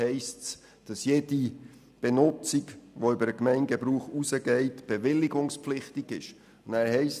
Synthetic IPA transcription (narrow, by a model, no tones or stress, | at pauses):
ɛɪsts | d̥ɑsjed̥i | b̥enʊt͡siɡʋoʏbəɾəkmɛɪnɡ̥ɛbɾuːχusəɡɛɪtb̥evɪlːiɡʊŋspflɪχtiɡɪʃ | ʊnæːɾhɛɪs